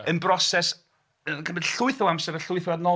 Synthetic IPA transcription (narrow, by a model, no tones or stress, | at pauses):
ənbrɔsɛs | əɡəmbədɬʊɨθɔwamsɛɾəɬʊɨθɛadnɔ